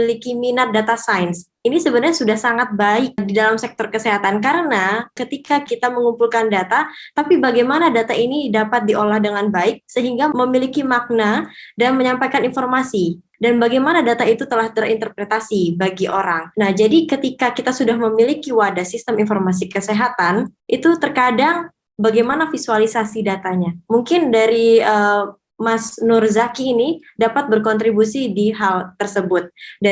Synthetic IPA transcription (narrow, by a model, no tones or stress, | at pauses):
likiminat̪̚dat̪asajns | inisəbənaɾɲasudahsaŋat̪̚baɪk̚didalamsɛk̚t̪ɔrkəseɦat̪ankaɾənakət̪ikakit̪aməŋumpulkandat̪at̪apibaɡajmanadat̪ainidapat̪̚diolahdəŋanbaɪk̚səɦiŋɡaməmilikimak̚nadanməɲampajkaninformasi | danbaɡajmanadat̪ait̪ut̪əlaht̪ərḭnt̪ərpɾet̪asibaɡiʔoɾaŋnahd͡ʒadikət̪ikakit̪asudahməmilikiwadasist̪əminfɔrmas̬ikəseɦat̪anʔit̪ut̪ərkadaŋ | baɡajmanafisualisasidat̪aɲamuŋkɪndaɾiə | masnʊrzakiːni | dapat̪̚bərkɔnt̪ɾibusidiɦalt̪ərsəbʊt̪̚da